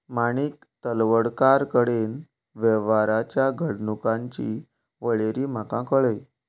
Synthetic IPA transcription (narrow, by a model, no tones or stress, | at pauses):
maɽ̃iːk | t̪əlʋəɽkaɾkəɽen | ʋɛʋaɾat͡ɕjaɡʱəɽnukãɲt͡ɕḭ | ʋəɭeɾiːm̤akãkəɭəj